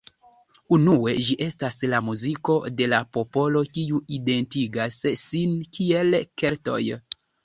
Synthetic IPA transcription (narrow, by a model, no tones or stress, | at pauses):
unue̞d͡ʒiʔe̞staslamuziko̞de̞lapo̞po̞lo̞kiuide̞ntiɡasːinkie̞lke̞ɾto̞̰j